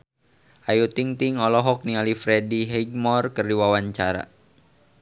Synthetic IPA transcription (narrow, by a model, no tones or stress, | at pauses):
ʔajut̪iŋt̪iŋɔlɔɦɔk̚nialifɾɛdiɦɛɡ̚mɔrkərdiwawaɲt͡ʃaɾa̰